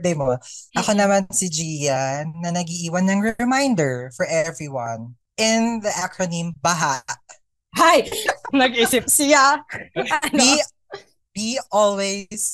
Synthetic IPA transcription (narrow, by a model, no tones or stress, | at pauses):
d̪ejmoʔɐko̞nɐmansɪd͡ʒiːjɐnɐnɐɡiʔiːwɐnːɐŋɹɛmãjnd̪ɛɹfɔɹʔɛvɹiwɐ̃n | ʔɪnðɐʔakɹonĩmbɐɦaʔ | hajnɐɡisɪp̚sɪja | i | biɔlwes